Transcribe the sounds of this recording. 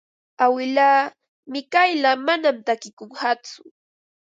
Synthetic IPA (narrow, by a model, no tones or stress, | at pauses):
awɪlaː | mɪkajlamanamt̪akɪkoŋhat͡sʊ